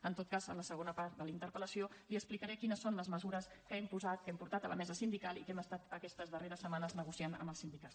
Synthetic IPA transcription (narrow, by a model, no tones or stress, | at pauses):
ənt̪ot̪̚kazə̰nləsəɣ̞onəpaɾt̪̚d̪əlint̪əɾpələsioliəsplikəɾɛkinəsːonləzməzuɾəs | kəɛmpuzat̪̚kɛmpuɾt̪at̪əlʔə̰mɛzəsind̪ikalˠikɛməst̪at̪əkɛst̪əzðəreɾəsəmanəznəɣusianə̰məlˠsind̪ikat̪